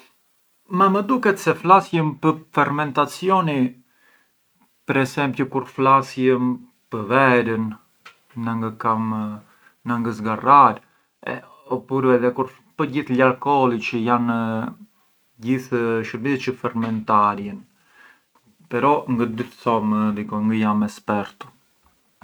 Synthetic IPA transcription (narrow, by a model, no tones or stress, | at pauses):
maməd̪ukɛt̪sɛflasjəmpəfɛɾmɛnt̪at͡sjɔni | pəɾɛsɛmpjəkuɾflasjəm | pəvɛɾənː | aŋɡəkam | naŋɡəsɡaraɾ | ɛ̰ | ɔpuɾvɛðɛkuɾ | pəɟiθʎaɾkɔlˠit͡ʃəjan | ɟiθʃəbist͡ʃəfɛɾmɛnt̪aɾjən | pɛɾɔŋɡəd̪yt̪θɔmd̪ikɔŋɡəjamɛspɛɾt̪u̥